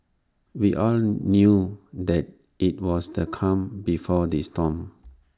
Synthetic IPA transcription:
wiʔɔlnjudɛt̚ | it̚wɔsdəkʰãmbifɔdistɔ̃m

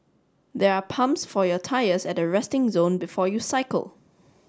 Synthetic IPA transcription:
d̪ɛɹapʰãmsfɔjɔtʰaɪəsɛtəɹɛstɪ̃ŋzõːnbɪfɔjusaɪkə̰lˠ

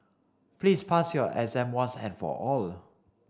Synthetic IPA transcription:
plispʰasjɔʔɛzɛ̃mwãnsɛ̃nfɔ̰ʔɔl

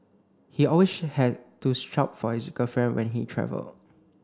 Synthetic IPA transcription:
hiɔlweshɛd̚tustɹap̚fɔhisɡəfɹɛ̃nwʔɛ̰̃nɦitʰɹɛ̰və̰ld

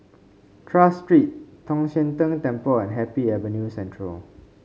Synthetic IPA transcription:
tʰɹastɹit̚tʰːɔ̃ŋʃɛ̃ntə̃ntɛ̃mpəɛ̃nɦɛpiɛvənjusɛ̃ntʰɹəl

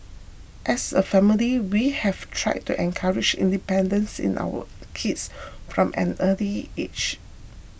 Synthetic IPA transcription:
ʔɛsəfɛmiliwihɛvtʰɹaɪd̚tːuʔɛ̃nkʰaɹɪd͡ʒḭ̃ndipɛ̃ndə̃nsɪ̰̃na̰wə̰ | kʰitsfɹɔ̃mʔɛ̰̃nəliet͡ʃ

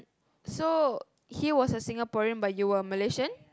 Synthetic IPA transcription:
so | hiwɔsəsĩŋapɔɹə̃nbajjuəməleʃə̃n

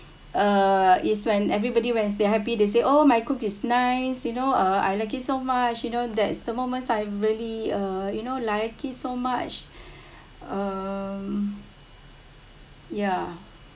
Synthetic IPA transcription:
ʌitswɛ̃nɛvɹibɔdiwɛ̃ns̬deɦɛpides̬eʔomajkukisnaɪsjunoʌa̰jlaɪk̬itsomat͡ʃjunodɛtsd̥əmomə̃nsajɹiəliʌjunolaɪkitsomat͡ʃ | ʌm | ja

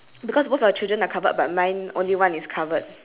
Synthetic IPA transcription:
bikɔsmofaət͡ʃildɹə̃nakʰavət̚bat̚mãj̃nõ̰nliwãniskʰavət̚

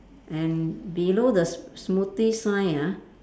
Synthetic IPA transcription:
ʔɛ̃nbiloːd̪əsmut̪isajã

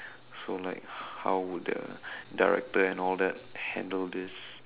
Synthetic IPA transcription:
solaɪk̚hawwuddə̰daɹɛ̰k̚təɛ̃nɔldɛt̚hɛ̰̃ndəldɪs

